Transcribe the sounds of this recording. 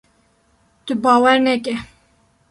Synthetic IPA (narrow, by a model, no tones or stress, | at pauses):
t̪ɨbɑːwɛɾnɛkɛ